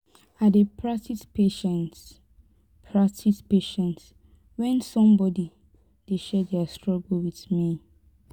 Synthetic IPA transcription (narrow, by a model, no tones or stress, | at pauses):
adepʰɹatitpeʃɛ̃nt | pʰɹatʰitpeʃɛ̃nt | wɛ̃nsɔ̃mbɔdi | d̥eʃɛdɛastɹɔɡlwiθmi